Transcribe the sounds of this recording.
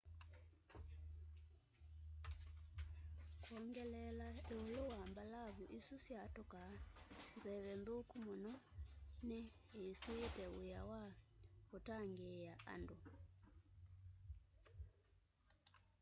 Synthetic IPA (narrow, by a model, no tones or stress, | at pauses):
kwɔŋɡɛlɛlaɛulowambalaβuʔisusjatɔkanzɛβɛndokumɔnɔnɛ | ɦisiːtɛṵjawaβutaŋɡɛjaʔa̰ndu